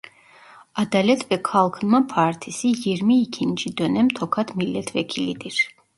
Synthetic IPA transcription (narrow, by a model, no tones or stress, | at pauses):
ad̪alɛt̪ʰvɛkʰalˠkʰnmapʰaːɾt̪ʰisijiɾmiːkʰint͡ʃid̪ɔnɛmt̪ʰɔkʰat̪milːɛt̪ʰvɛkʰilid̪iɾ